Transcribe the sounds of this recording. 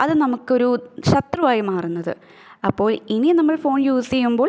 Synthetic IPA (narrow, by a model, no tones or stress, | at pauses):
ɐðɨnɐmukːo̞ɾuɕɐt̪rɐmaːjimaːrunːɐðɨ̰ | ɐpːo̞ːɭininɐmːɐɭfo̞ːnjuːsejumbo̞ːɭ